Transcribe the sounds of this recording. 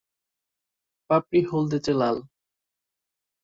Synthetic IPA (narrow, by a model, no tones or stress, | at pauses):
papɾiɦold̪et͡ɕelal